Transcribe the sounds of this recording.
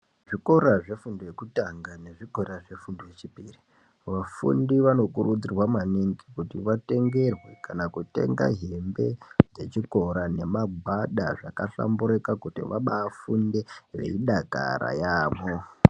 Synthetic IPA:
ʐiko̞ɾaʐe̞fundojekutaŋɡane̞ʐiko̞ɾaʐe̞fundojet͡ʃipiri | ʋafṵndiʋano̞kurud͡zirwamaniŋɡikutiʋate̞ŋɡe̞rwekanakute̞̰ŋɡa̰ɦembe̞d͡ze̞t͡ʃiko̞ɾane̞maɡʱaɗa̰ʐa̰kaɬa̰mbuɾekakutḭʋaɓaːfunde̞rḛiɗaka̰ɾa̰jaːmo

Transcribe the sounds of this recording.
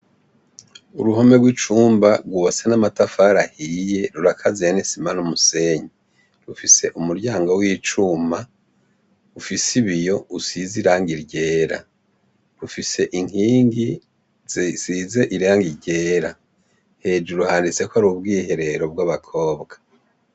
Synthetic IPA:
uɾuhome̞ɡwit͡ʃuːmbaɾɡuβasenamatafaɾahiːje̞ɾuɾakʰazijanisimanumuse̞ːɲe | ɾufise̞ʔumuɾɟaːŋɡowiːt͡ʃuma | ufisiβijo̞usiziɾaːŋɡiɾɟe̞ːɾa̰ | ɾufise̞ʔiŋ̥iːŋɡi | z̥size̞ʔiɾaːŋɡiɾɟe̞ːɾa | he̞ːd͡ʒuɾuhaːndit͡sekaɾubɡiːhe̞ɾe̞ɾo̞b̚ɡwaβakʰoːbɡa

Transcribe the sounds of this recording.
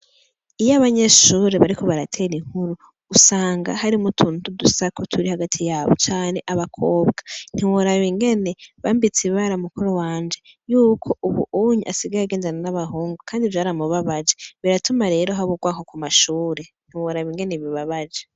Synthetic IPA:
ijaβaɲeʃuːɾe̞βaɾiko̞βaɾatʰe̞ːɾiŋ̥huɾu | ɡ̥usaːŋɡa̰haɾimutʰuːntudusakotʰuɾihaɡatʰijaːβot͡ʃaːne̞ʔaβakʰoːbɡan̥hiwoɾaβiŋɡe̞ne̞βambit͡siβaɾamukuɾowaːɲd͡ʒe̞ | juːkʰo̞ʔuβṵʔuɲiʔasiɡaɾaɡe̞ːndananaβaɦuːŋɡukʰaːndivjaːɾamuβaβad͡ʒeβiɾatʰumaɾe̞ːɾo̞ɦaβuɡwaːkokumaʃuːɾe̞n̥hiwoɾaβiŋɡe̞ne̞βiβaβad͡ʒe

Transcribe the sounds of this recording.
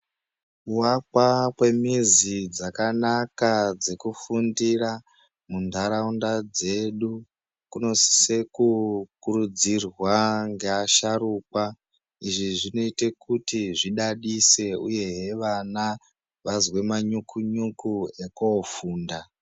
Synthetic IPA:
uwakwakwe̞mizid͡zakanakad͡ze̞kufundira | mundʱaɾaundad͡ze̞ɗu | kuno̞sse̞kukuɾud͡zirwaŋɡe̞aʃaɾuːkwa | iʐiʐino̞ite̞kutiʐiɗaɗise̞uje̞ɦe̞ʋana | ʋazwe̞maɲukʰuɲukuekoːfuːnda

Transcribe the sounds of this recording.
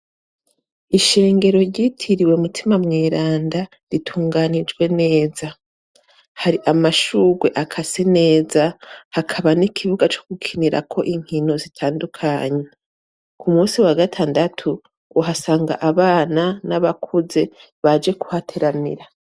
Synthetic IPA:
iʃe̞ːŋɡe̞ɾo̞ɾjɟiːtʰiɾiwe̞mutʰimamŋeːɾaːnda | ɾitʰuːŋɡaːnid͡ʒɡwe̞ne̞ːza | haɾiʔamaʃuːɡwe̞ʔakʰasene̞ːzahakʰaβanikʰiβuɡat͡ʃo̞kukʰiniɾa̰kʰo̞ʔiŋ̥hino̞zitʰaːndukʰaːɲe | kʰumuːsiwaɡatʰaːndatʰu | uɦasaːŋɡa̰ʔaβaːnanaβakʰuze̞ | βad͡ʒe̞ku̥hatʰeɾanḭɾa

